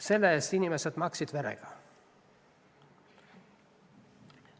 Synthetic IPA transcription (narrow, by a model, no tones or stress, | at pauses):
se̞lːeesinimesed̪̥mɑksid̪̥veɾḛɡ̥ɑ